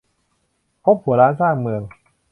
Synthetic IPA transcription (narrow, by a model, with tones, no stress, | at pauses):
pʰo˦˥p̚hu˩˦ɾaː˦˥nsaː˥˩ŋmɯ˨˩əŋ